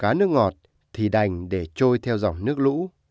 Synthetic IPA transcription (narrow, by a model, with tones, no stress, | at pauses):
kaː˨˦nɨ˦˥ək̚ŋɔ˨˩t̚ | t̪ʰi˨˩ɗa˨˩jŋ̟ɗe˧˩t͡ɕo˧jt̪ʰɛ˧wza˨˩wŋ͡mnɨ˦˥ək̚lṵ˧˥